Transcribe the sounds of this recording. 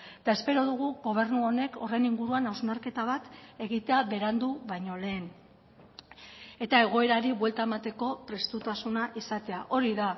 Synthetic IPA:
et̪ae̞spe̞ɾo̞ðuɣuɣo̞β̞e̞rnuo̞ne̞ko̞rejniŋɡuɾuanawznaɾke̞t̪aβ̞at̪e̞ɣit̪e̞aβe̞ɾand̪uβajɲo̞le̞ːn | e̞t̪ae̞ɣ̞o̞e̞ɾaɾiβwe̞lt̪ae̞mat̪e̞ko̞pɾe̞st̪ut̪asunaʔisat̪e̞aʔo̞ɾiða

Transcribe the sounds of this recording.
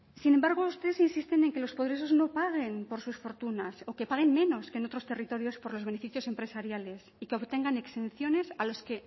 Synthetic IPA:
sinembaɾɣ̞oust̪e̞ðe̞sinsist̪e̞ne̞ŋke̞lo̞spoðɾes̬o̞zno̞paɣ̞e̞mpo̞ɾsusfo̞ɾt̪unaso̞ke̞paɣ̞e̞mmẽ̞no̞skenot̪ɾo̞st̪e̞rit̪o̞ɾjo̞spo̞ɾlo̞zβe̞ne̞fiθjo̞se̞mpɾe̞saɾjale̞sikeo̞βt̪e̞ŋɡane̞kse̞nθjo̞ne̞salo̞ske̞

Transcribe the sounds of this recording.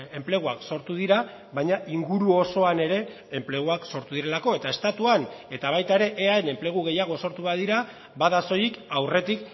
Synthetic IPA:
e̞mple̞ɣuakso̞ɾt̪uð̞iɾa | βajɲaʔiŋɡuɾuo̞so̞ane̞ɾe̞ː | mple̞ɣ̞uakso̞ɾt̪uðiɾe̞lako̞e̞t̪ae̞st̪at̪uane̞t̪aβ̞ajt̪aeɾe̞ʔeaene̞mple̞ɣ̞uɣe̞jaɣ̞o̞so̞ɾt̪uβaðiɾa | baðaso̞jikawre̞t̪ik

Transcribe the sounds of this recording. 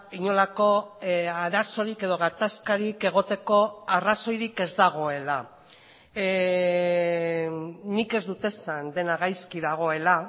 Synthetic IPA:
iɲo̞lako̞aɾaso̞ɾike̞ðo̞ɣ̞at̪askaɾike̞ɣ̞o̞t̪e̞ko̞araso̞jɾike̞zd̪aɣ̞o̞e̞la | nike̞zd̪ut̪e̞sand̪e̞naɣajskiðaɣ̞o̞e̞la

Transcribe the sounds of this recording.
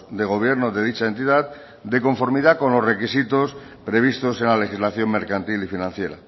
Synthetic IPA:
d̪e̞ɣo̞β̞je̞ɾnoðe̞ð̞it͡ʃae̞nt̪iðat | d̪e̞ko̞ɱfo̞ɾmiðako̞nlo̞zre̞kisit̪o̞s | pɾe̞β̞ist̪o̞se̞nlale̞xizlaθjo̞mme̞ɾkant̪ilifinãn̟θje̞ɾa̰

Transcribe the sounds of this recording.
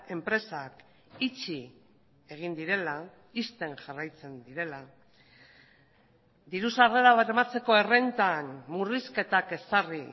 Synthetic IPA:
e̞mpɾe̞sak | it͡ʃi | e̞ɣ̞ind̪iɾe̞la | ist̪e̞ŋʝarajt͡se̞nd̪iɾe̞la | d̪iɾusarðeɾaβeemat͡se̞ko̞e̞re̞nt̪anmuriske̞t̪ake̞sari

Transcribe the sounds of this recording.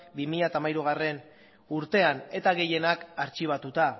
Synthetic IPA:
bimiʎat̪aːmajɾuɣ̞are̞n | uɾt̪e̞ane̞t̪aɣe̞je̞nakaɾt͡ʃiβ̞at̪ut̪a

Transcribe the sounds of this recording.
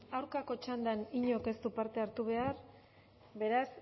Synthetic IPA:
awɾkako̞t͡ʃand̪aniɲo̞ke̞st̪upaɾt̪e̞aɾt̪uβ̞e̞aɾ | be̞ɾas

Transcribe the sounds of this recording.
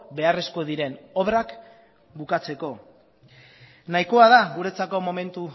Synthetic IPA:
be̞are̞sko̞ðiɾe̞no̞βrak | bukat͡se̞ko̞ | najko̞aðaɣuɾe̞t͡sako̞mo̞me̞nt̪u

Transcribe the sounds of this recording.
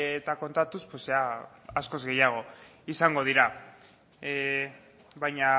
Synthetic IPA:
et̪ako̞nt̪at̪uspwosa | asko̞zɣe̞jaɣ̞o̞ | isaŋɡo̞ð̞iɾa | βajɲa

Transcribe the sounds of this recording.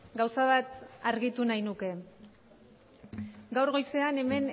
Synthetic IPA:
ɡawsaβat̪aɾɣit̪unajnuke̞ | ɡawɾɣo̞jse̞ane̞me̞n

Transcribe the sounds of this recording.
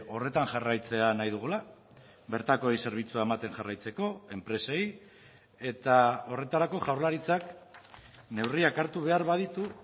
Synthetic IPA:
o̞re̞t̪aŋʝarajt͡se̞anajðuɣ̞ula | βe̞ɾt̪ako̞ejse̞ɾβ̞it͡suaemat̪e̞nʝarajt͡se̞ko̞e̞mpɾe̞se̞j | e̞t̪ao̞re̞t̪aɾako̞ʝawɾlaɾit͡sak | ne̞wriakaɾt̪uβe̞aɾβað̞it̪u

